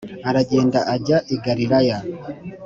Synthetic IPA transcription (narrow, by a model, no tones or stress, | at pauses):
aɾaɟe̞ːndaʔaɟaʔiɡaɾiɾaja